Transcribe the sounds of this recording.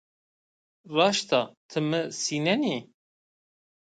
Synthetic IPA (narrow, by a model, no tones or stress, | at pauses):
rɑːʃt̪ʰɑt̪ʰɨməsiːnɛni